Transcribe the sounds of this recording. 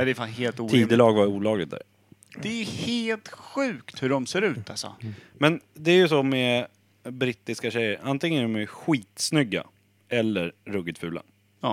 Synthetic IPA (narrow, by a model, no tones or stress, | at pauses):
d̪ɛfaːnheːlt̪uːiːd̪əlɑːɡvaɾuːlɑːɡlɪ̰t̪̚d̪æ̰ɾ | d̪ɛjɵheːlt̪ɧʉ̟ːkt̪hɵɖɔmseːɾʉ̟ːt̪ʰalsɔ̰mɛnd̪ɛæɾjɵsɔmɛ | bɾɪt̪ːɪskaɕɛjːəɾʔant̪ɪŋːənd̪ɔmæɧiːt̪snʏɡːa̰ | ɛlːəɾːɵɡəd̪fʉ̟ːla̰